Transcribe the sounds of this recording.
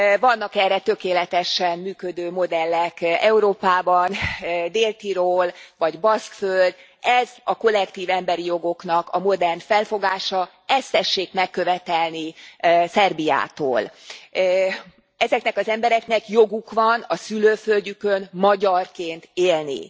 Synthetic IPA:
vɒnːɒkɛrːɛt̪ø̞keːlɛt̪ɛʃɛmmyːkø̞d̪øːmo̞d̪ɛlːɛkɛuɾoːpaːbɒnd̪eːlt̪iɾoːlvɒɟbɒskføld̪ | ɛzɒko̞lːɛkt̪iːvɛmbɛɾijo̞ɡo̞knɒkɒmo̞d̪ɛrnfɛlfo̞ɡaːʃɒ | ɛst̪ɛʃːeːkmɛkːø̞vɛt̪ɛlnisɛrbija̰ːt̪o̰ːl | ɛzɛknɛkɒzɛmbɛɾɛknɛkjoɡukʋɒnɒsyløːfølɟykønmɒɟɒrkeːnt̪eːlnḭ

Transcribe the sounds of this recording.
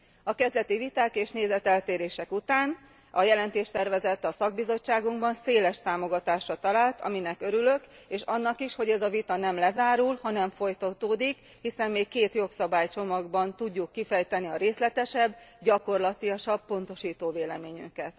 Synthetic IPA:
ɒkɛzd̪ɛt̪ivit̪aːkeːʃneːzɛt̪ɛlt̪eːɾeːʃɛkut̪aːn | ɒjɛlɛnt̪eːʃt̪ɛrvɛzɛt̪ːɒsɒɡ̚bizo̞t͡ʃːaːɡuŋɡbɒnseːlɛʃt̪aːmo̞ɡɒt̪aːʃrɒt̪ɒlaːlt̪ɒ̰minɛkø̞ɾylø̞keːʃɒnːɒkiʃho̞ɟɛzɒvit̪ɒnɛmlɛzaːɾulhɒnɛɱfo̞jt̪ɒt̪oːd̪ik | hisɛmːeːkkːeːt̪jo̞ksɒbaːjt͡ʃo̞mɒɡbɒnt̪uɟːukːifɛjt̪ɛniɒɾeːslɛt̪ɛʃɛbːɟɒko̞rlɒt̪iɒʃɒb̚po̞n̪t̪o̞ʃiːt̪oːveːlɛmeːɲy̰ŋkɛt̪

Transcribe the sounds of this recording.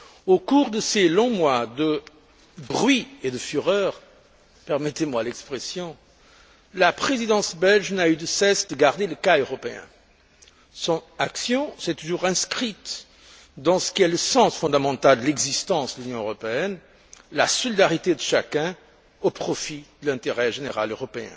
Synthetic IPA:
okuʁd̪əselɔ̃mwad̪ə | bʁɥied̪əfyʁœːʁ | pɛʁmɛt̪emwalɛkspχesjɔ̃ | lapχezid̪ɑ̃sbɛlʒnayd̪əsɛsd̪əɡaʁd̪eləkaøʁɔpeɛ̰̃ | sɔ̃naksjɔ̃sɛt̪ːuʒuʁɛ̃skχit̪ | d̪ɑ̃sə̥kʲiɛləsɑ̃sfɔ̃d̪amɑ̃t̪ald̪əlɛɡzist̪ɑ̃sd̪əlynjɔ̃øʁɔpeɛn | lasɔlid̪aʁit̪ed̪əʃakɛ̃ | opχɔfid̪̥əlɛ̃t̪eʁɛʒeneʁa̰løʁɔpeɛ̰̃

